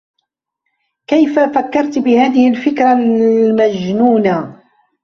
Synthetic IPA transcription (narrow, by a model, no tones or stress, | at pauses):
kajfafakːɑɾˤt̪bɪhaːðɪhɪlfɪkɾamad͡ʒnuːna